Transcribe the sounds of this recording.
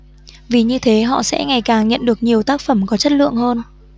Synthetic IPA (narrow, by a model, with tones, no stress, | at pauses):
vi˨˩ɲɨ˧t̪ʰe˨˦ɦɔ̰˧˨sɛ̰˧˥ŋa˨˩jkaː˨˩ŋɲə̰˧˨nɗɨ˨˩ək̚ɲi˨˩əwt̪aː˦˥k̚fə˧˩mkɔ˨˦t͡ɕə˦˥t̚lɨ̰˧˨əŋhəː˧n